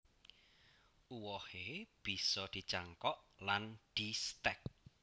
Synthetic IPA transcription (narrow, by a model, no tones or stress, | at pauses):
ʔuwɔheb̥i̤sɔd̪̥i̤t͡ʃaŋkɔʔland̪̥ist̪ɛk̚